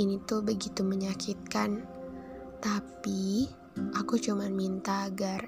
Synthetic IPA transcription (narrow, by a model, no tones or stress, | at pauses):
init̪ubəɡit̪uməɲakʰit̪̚kan | t̪api | ʔakut͡ʃumanmint̪aːɡar